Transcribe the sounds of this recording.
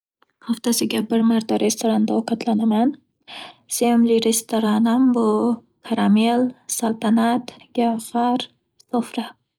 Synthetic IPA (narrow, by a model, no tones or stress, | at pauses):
haft̪ʰasɪɡʲabɪɾmaɾt̪ʰaɾʔest̪ʰoɾand̪aɒqɑt̪ʰlanaman | semlɪɾe̞st̪ʰoɾanɪmbʊ | kʰaɾamelsalˠt̪ʰanat̪ɡ̥ʲaʁaɾ | sɒfɾa